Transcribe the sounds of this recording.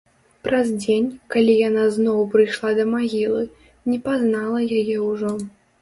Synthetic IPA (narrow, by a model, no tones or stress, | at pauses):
pɾɐzd͡zʲenʲkalʲijanaznɔwpɾɨjʂlˠad̪ɐmaɣʲilˠɨ | nʲɛpaznalˠɐjajɛwʐɔ